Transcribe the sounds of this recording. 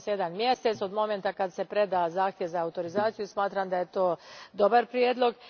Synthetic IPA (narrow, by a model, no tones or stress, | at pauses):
sjed̪anmje̞se̞t̪so̞d̪mo̞ment̪akad̪se̞pɾe̞d̪azaːxt̪je̞ʋzaːut̪o̞ɾizaːt̪sijusmaːt̪ɾamd̪aje̞t̪o̞ːd̪o̞baɾpɾjeːd̪lo̞ɡ